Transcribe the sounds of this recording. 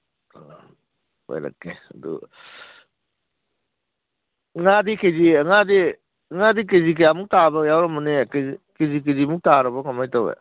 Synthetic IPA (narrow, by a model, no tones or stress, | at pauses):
o̰jɾa̰kːedṵ | ŋadikeziŋadi | ŋadik̬ezik̬ejamuk̚tabajawɾɔmɯnekeikezik̬ezimuk̚taɾabɔkamajtawḛ